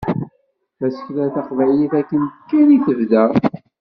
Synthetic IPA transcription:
æsə̥çlæθaqvʕjiθækːənə̥kːæniθəvðæ

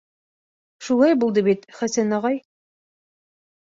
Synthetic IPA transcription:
ʃulˠɑjbulˠd̪ɤbit̪χæsænɑʁɑj

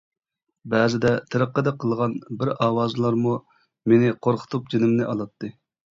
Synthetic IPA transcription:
bæːzɪd̪ɛt̪ʰɨɾəqːəd̪ɛqʰəlˠʁɑnbɪɾɑːwɑːzlˠɑɾmu | menɪqʰoɾqʰə̥t̪ʰup̚d͡ʒenɪmnɪʔɑlˠɑt̪ʰːɨ

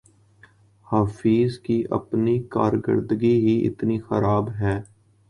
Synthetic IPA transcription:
haːfiːzkiʔɐ̰pnika̰ːɾɡə̰ɾd̪ɡiɦiʔɪ̰t̪nixəɾaːbɦɛː

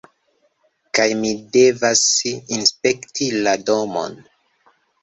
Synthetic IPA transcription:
kajmide̞vasinspe̞ktʰilado̞mo̰n

